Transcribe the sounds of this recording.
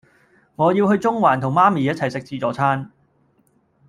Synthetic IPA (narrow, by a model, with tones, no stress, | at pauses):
ŋɔː˨˧jiː˧wɦɵ˧ɥt͡sʊ˥ŋwaː˨˩nt̪ʰʊ˨˩ŋmaː˥miː˨˦jɐ˥t͡sʰɐ˨˩jsɪ˨k̚t͡siː˧t͡sɔː˨˧t͡sʰaː˥n